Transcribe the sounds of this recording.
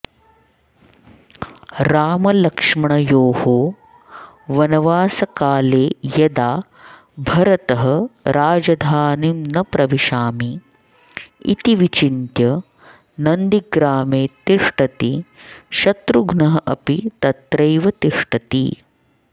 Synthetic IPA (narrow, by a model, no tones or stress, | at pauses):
ɾaːmɐlɐkʂmɐɳɐjoːhoː | ʋɐnɐʋaːsɐkaːleːjɐd̪aː | bʱɐɾɐt̪ɐɦɐɾaːd͡ʒɐd̪ʱaːnimnɐpɾɐʋiʃaːmi | ḭt̪iʋit͡ʃint̪jɐ | nɐnd̪iɡɾaːmeːt̪iʂʈɐt̪iʃɐt̪ɾuɡnɐɦɐʔɐpit̪ɐt̪ɾɐjʋɐt̪iʂʈɐt̪ḭ